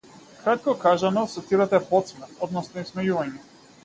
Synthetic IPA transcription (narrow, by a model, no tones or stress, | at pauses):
kɾat̪̚kɔkaʒanɔsɔt̪iɾat̪ɛpɔt̪smɛɾt̪ɔd̪nɔsnɔismɛjuvaɲɛ